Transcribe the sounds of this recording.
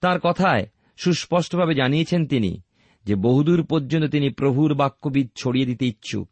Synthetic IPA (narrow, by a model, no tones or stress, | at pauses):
t̪ãɾkɔt̪ʰae | ʃuʃpɔʃʈobʱabed͡ʑanijet͡ɕʰent̪inḭ | d͡ʑeboɦud̪uɾpoɾd͡ʑont̪ot̪inipɾobʱuɾbakːobid̪̚t͡ɕʰoɽijed̪it̪eitːɕʰṵ